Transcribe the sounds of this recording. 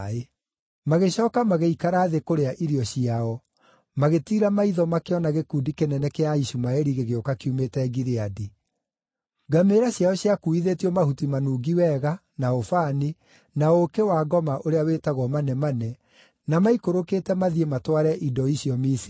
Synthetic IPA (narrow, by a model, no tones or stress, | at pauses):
e | maɣeɕɔːkamaɣeikaɾaːðekoɾeaʔiɾiɔɕiaɔ | maɣetiːɾamaiðɔmakeɔnaɣekuːdikenɛnɛkeaiʃumaeɾiɣeɣeokakiumetɛɡiɾeadi | ɡameːɾaɕjaɔɕjakuiðetiɔmahutimanuːɡiwɛɣa | naofani | naokewaːɡɔmaʔoɾeaweːtaɣwɔmanɛmanɛ | namaikoɾokeːtɛmaðiematwaɾɛʔidɔiɕiɔmiːsi